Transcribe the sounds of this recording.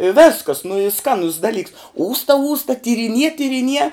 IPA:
ɪ ˈʋʲeːskɐs nʊ iː ˈskɑːnʊs dɐˈlʲiːks ˈuːstɐ ˈuːstɐ tʲiːrʲɪˈnʲiɛ tʲiːrʲɪˈnʲiɛ

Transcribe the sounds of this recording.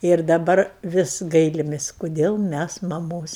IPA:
ɪr dɐˈbɐr ˈʋʲɪs ˈɡɐɪlʲɪmʲɪsʲ koːˈdʲeːlˠ ˈmʲæs mɐˈmoːs

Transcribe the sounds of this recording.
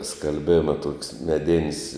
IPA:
skɐlʲˈbʲeːmɐ toːkʲsʲ mʲɛˈdʲɪnʲsʲ

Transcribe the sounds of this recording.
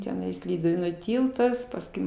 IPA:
tʲɛˈnɐɪs ˈlʲiːdʊʋʲeːnuː ˈtʲiːlˠtɐs pɐsˈkʊɪ

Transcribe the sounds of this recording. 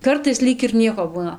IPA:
ˈkɐrtɐɪs ˈlʲiːk ɪr ˈnʲiɛkoː ˈbuːnɐ

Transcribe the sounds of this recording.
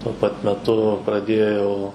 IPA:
tuɔ ˈpɐt mʲɛˈtʊ prɐˈdʲeːjɛʊ

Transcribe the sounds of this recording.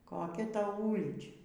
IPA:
koːˈkʲɛ ˈtɐʊ ˈuːlʲiːt͡ʃʲɛ

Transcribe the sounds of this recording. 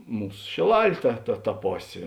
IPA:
ˈmuːs ʃʲeːˈlˠɐlʲ ˈtɐ tɐ tɐ ˈpoːsʲeː

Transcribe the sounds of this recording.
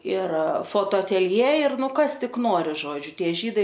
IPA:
ɪr foːtoːɐtʲɛlʲˈjeː ɪr ˈnʊ ˈkɐs ˈtʲɪk ˈnoːrʲɪ ˈʒoːd͡ʒʲʊ ˈtʲiɛ ˈʒʲiːdɐɪ

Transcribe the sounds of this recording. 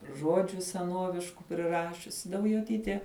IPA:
ˈʒuɔd͡ʒʲʊ sʲɛˈnuɔʋʲɪʃkʊ pʲrʲɪˈrɑːʃʲʊsʲɪ dɐʊjoːˈtʲiːtʲeː

